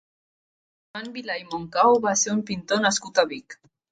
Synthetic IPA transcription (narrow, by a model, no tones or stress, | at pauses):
anbilajmoŋkawβaseɾumpint̪onaskut̪aβik